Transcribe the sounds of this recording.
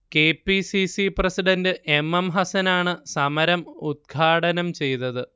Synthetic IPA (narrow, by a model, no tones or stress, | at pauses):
ke̞ːpːisisiprɐsiɖɐndɨʔe̞mːemɦɐsɐnaːɳɨsɐmɐɾɐmud̪̚ɡʰʱaːʈɐnɐmt͡ɕe̞jt̪ːɐðɨ